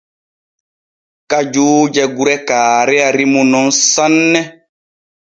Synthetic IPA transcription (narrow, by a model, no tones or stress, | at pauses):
kad͡ʒuːd͡ʒɛɡuɾɛkaːɾɛaɾimunɔnsanːɛ